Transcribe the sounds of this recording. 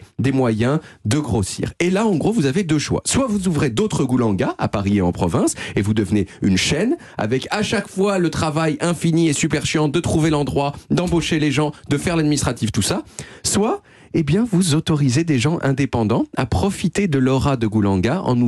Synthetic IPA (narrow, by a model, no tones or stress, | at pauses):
d̪emwajɛ̃d̪əɡʁosḭːʁelaɑ̃ɡʁovuzaved̪øʃwa̰swavuzuvʁed̪ot̪χəɡulɑ̃ɡaa̰paʁieɑ̃pχɔvɛ̃sevud̪əvneynʃɛn | a̰vɛkaʃakfwalət̪χavajɛ̃finiesypɛʁʃjɑ̃d̪ət̪χuvelɑ̃d̪ʁwad̪ɑ̃boʃeleʒɑ̃d̪əfɛʁlad̪minist̪χat̪ift̪usaswa | ebjɛ̃vuzot̪ɔʁized̪eʒɑ̃ʔɛ̰̃d̪epɑ̃d̪ɑ̃a̰pχɔfit̪ed̪əlɔʁad̪əɡulɑ̃ɡaɑ̰̃nu